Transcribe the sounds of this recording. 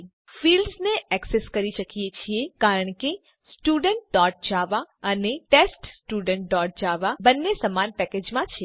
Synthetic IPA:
filɖsneʔɛkseskəɾiʃəkijet͡ʃʰiekaɾəɳke | sʈuɖəɳʈ̚ɖɔʈ̚d͡ʒaʋaəneʈesʈsʈuɖəɳʈ̚ɖɔʈ̚d͡ʒaʋabənːesəmanpɛked͡ʒmãt͡ʃʰe

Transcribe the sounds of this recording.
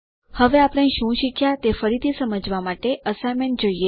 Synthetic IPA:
həʋeapɽ̃ãʃũʃikʰjat̪efəɾit̪ʰisəməd͡ʒʋamaʈeəsamend͡ʒoije

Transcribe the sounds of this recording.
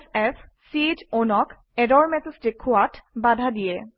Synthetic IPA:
ɛf | sitonɔk | ɛdɔɹmɛtəstekʰːʊatʰbadʱadijɛ

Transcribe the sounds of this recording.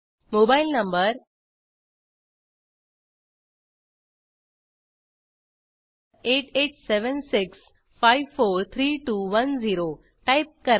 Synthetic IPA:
mobailnəmbəɾ | eʈeʈseʋənsiks | fajʋfoɾt̪ʰɾiʈuʋənd͡ziɾo | ʈajp̚kəɾ

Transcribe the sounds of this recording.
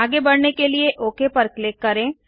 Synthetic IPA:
aːɡebɐɽnekelieʔoːkepɐɾklɪkːɐɾẽː

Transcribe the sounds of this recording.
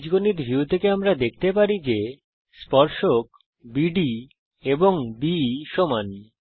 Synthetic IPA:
d͡ʑɡoniɾbʱiut̪ʰekeamɾad̪ek̚ʰt̪epaɾid͡ʑe | spɔɾʃok | biɖi | eboŋbiʃoman

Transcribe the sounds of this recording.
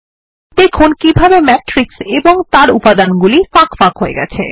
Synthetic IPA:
d̪̥ekʰunkibʱabemɛʈɾikseboŋt̪aɾupad̪anɡulifakfakɦoeɡɛ̰t͡ɕʰḛ

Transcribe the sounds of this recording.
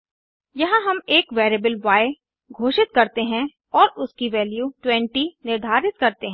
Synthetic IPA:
jɐɦãɦɐmeːkʋeːɾebəlʋaːe | ɡʱoːʃɪt̪̚kɐɾt̪eɦɛ̃ | ɔːɾʊskiʋɛːljuʈwɛ̃ɳʈinɪɾd̪ʱaːɾɪt̪̚kɐɾt̪eɦɛ̃ː

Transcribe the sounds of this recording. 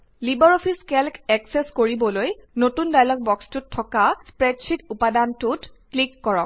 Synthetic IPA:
libaɹɔpʰiskɛlkɛksɛskoɹibɔlojnotundajlɔk̚bɔkstutʰːɔkaspɹɛtt͡ʃʰikupadantutklikːɔɹɔk̚

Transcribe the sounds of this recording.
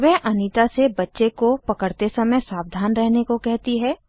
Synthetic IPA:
ʋɛɦʔɐniːt̪asebɐtːʃekopɐkəɽt̪esɐməjsaːb̚d̪ʱaːnɾɛɦnekokɛɦt̪iɦɛː

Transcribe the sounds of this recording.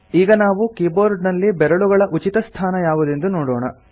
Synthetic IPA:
iːɡɐnaːʋukiːboːɾɖnɐlːibɛɾɐɭuɡɐɭɐʔut͡ʃit̪ɐst̪ʰaːnɐjaːʋud̪end̪unoːɽɔːɳɐ̰

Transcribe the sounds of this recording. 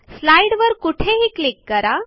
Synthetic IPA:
slaiɽʋəɾkuʈʰeɦiːklikːəɾa

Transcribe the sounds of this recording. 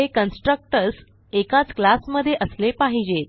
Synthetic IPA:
ekənsʈɾək̚ʈəɾs | ekat͡sklasməd̪ʱːjeʔəslepaɦid͡ʑet̪

